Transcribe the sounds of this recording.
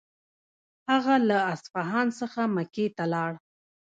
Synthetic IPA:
haɣalaasfɑɦɑnsəxamaket̪alɑɽ

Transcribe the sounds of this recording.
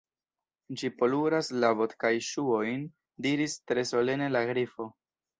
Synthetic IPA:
d͡ʒipo̞luɾaslavo̞tkajʃuo̞jn | diɾistɾe̞so̞le̞ne̞laɡɾifo̞

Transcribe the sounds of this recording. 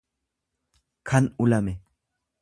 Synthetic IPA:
kʰɐnʊlɐmɛ

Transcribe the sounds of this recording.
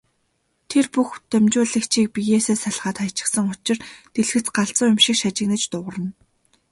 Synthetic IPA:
t̪ʰerpuxt̪œmt͡ɕʊːɮə̆kt͡ɕʰiːk̚pijeːseːsaɮʁaːt̪χajʰt͡ɕɪ̥̆ksə̆ŋʊt͡ɕɪ̆rt̪eɮxɘ̆t͡sɢaɬt͡sʊːŋjʊmʃĭkʃat͡ɕɪ̆knɘ̆t͡ɕt̪ʊʁə̆rə̆n

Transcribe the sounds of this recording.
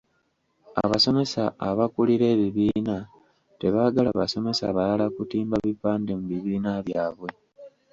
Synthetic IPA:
a̰βaso̞me̞saːβakuliɾe̞ːβiβiːna | te̞βaːɡalaβaso̞me̞sa̰βalalakutiːmbaβipaːndemuβiβiːnaβjaːβwe̞

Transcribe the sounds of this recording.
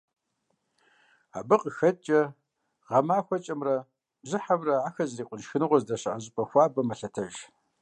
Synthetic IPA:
a̰ːbɨqʼəxɐt͡ʃʼɐ | ʁɐmaːxʷɐt͡ʃʼɐmrɐ | bzɨħamrɐaːxɐzriːqʷʼʊnʃxɨnɨʁʷɔzdɐɕɐʔɐʑɪpʼɐxʷaːbɐmɐɬɐtʰɐʒ

